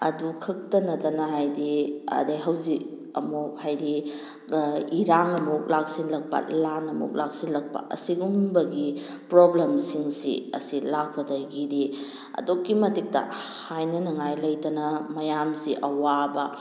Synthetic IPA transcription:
ɐ̰dukʰɐk̚tɐnɐtɐnɐɦajdiɐ̰dajɦɐwzik | ɐ̰mok̚hajdi | iɾaŋɐmok̚lak̚sinlɐk̚pɐ̰lanɐmo̰k̚lak̚sinlɐk̚pɐ̰ʔɐ̰siɡumbɐɡi | pɾoblemsiŋsḭɐ̰silak̚pɐdɐɡidi | ɐ̰dokːimɐtik̚tɐ̰hajnɐnɐŋajlɐjtɐnɐmɐjamsiʔɐwabɐ

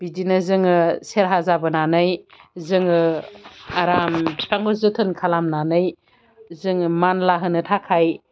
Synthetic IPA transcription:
b̥idinɯzɯŋɯseɾɦazabɯnanɯjzɯŋɯ | aɾamʰaŋɡozɯtʰɯnkʰalamnanɯj | zɯŋɯmanlaɦɯnɯtʰakʰaj

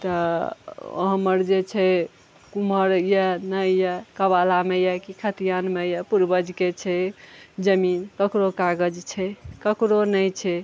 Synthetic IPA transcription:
t̪ɔ | ɦəməɾd͡ʒet͡ʃʰɛ | kuməɾjənəjakəbalamejakikʰət̪ijanmejapuɾbəd͡ʒket͡ʃʰɛd͡ʒəminkəkɾokaɡəd͡ʒt͡ʃʰɛkəkɾonəjt͡ʃʰɛ

